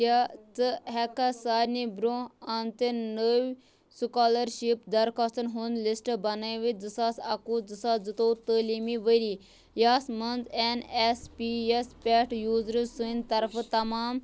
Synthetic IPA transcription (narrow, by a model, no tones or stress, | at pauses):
at͡sɨɦɛkasaːɾnibɾoɐnt̪enəʋ | sukaːlɐɾʃipd̪ɐɾkʰast̪ənɦunlisʈbɐnajʋid͡zɨsaːsɐkuːd͡zɨsaːd͡zɨt̪oːt̪əːlimiʋəɾiː | jaːsmɐnd͡zɛnespijespʲɛːʈjuːzɾɨsunʲt̪ɐɾft̪ɐmaːm